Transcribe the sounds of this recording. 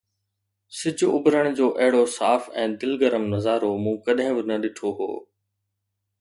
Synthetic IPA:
sɪd͡ʑʱʊʊbɾəɽ̃d͡ʑoːʔɐɦɪɽosaːfɛ̃ːd̪ɪlɡɐɾəmnɐzaːɾomũːkɐɗɦɪ̃bɪnɐɗɪʈʰoɦo̰ː

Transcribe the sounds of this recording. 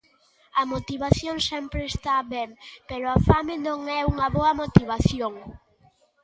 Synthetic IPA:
ɐmot̪iβaθjoŋsɛmpɾeːst̪aβɛmpeɾʊɐfamenõŋɛuŋɐβoɐmot̪iβaθjoŋ

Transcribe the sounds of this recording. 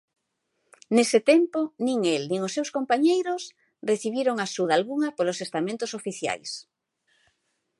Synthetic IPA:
nesɪt̪emponĩŋelnĩŋosːewskompaɲejɾos | reθiβ̞iɾoŋasuðalɣuŋɐpolosest̪amẽnt̪ʊsofiθja̰js

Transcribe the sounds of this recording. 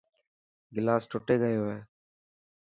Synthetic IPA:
ɡɪlaːsʈoːʈeːɡəjoːɦeː

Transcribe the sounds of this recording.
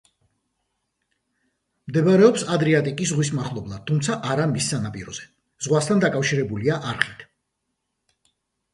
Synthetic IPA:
md̪ɛbaɾɛɔpsad̪ɾɛat̪ʼikʼisʁwis̬maχlˠɔblˠad̪̥̚t̪ʰːumt̪sʰaʔaɾamisːanapʼḭɾɔz̥ɛ | z̥ʁwast̪ʰand̪akʼafʃiɾɛbuliaʔaɾχit̪ʰ

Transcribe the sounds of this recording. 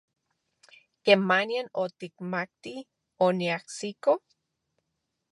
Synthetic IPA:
kemanjanot̪ikmak̚t̪i | oniahsiko

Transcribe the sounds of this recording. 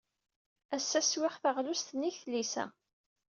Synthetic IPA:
æsːæswɪχθəʁlust̪nːiçθlisæ̰

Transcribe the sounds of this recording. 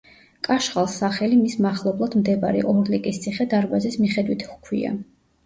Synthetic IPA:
kʼaʃχalˠsaχɛlimismaχlˠɔblˠad̪md̪ɛbaɾḭʔɔɾlikʼist̪sʼʰiχɛd̪aɾbazismiχɛd̪wit̪ʰχkʰwḭa̰

